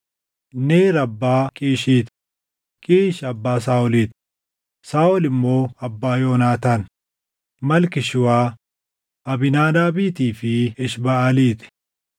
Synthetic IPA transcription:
neːɾɐbːaːkʼiːʃiːt̪ | kʼiːʃɐbːaːs̬aːɔliːt̪ | saːɔlɪmːo̞ːɐbːaːjoːnaːt̪aːn | mɐlkɪʃɪwaː | ʔɐbɪnaːd̪aːbiːt̪iːfɪɪʃbɐɐliːt̪ɪ̥

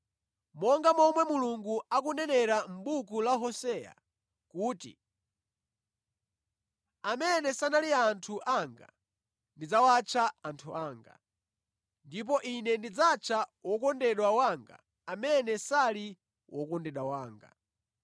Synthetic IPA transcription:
mɔŋɡamɔmwɛmuluŋɡuakunɛnɛɾam̩ɓukulaɦɔsɛja̰ | kuːtḭ | amɛnɛsanaliantʰuʔaŋɡa̰ | ndid͡zawat͡ʃʰaantʰuaːŋɡa̰ | ndip̬ɔʔinɛndid͡zat͡ʃʰawɔkɔndɛɗwawaŋɡa̰ | amɛnɛsali | wʔɔkɔndɛɗwawaːŋɡa̰

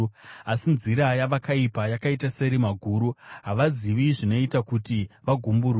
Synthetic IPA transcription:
asinziɾajaʋakaipajakaitase̞ɾimaɡʱuːɾuɦaʋaziʋiʐino̞itakutiʋaɡʱumburu

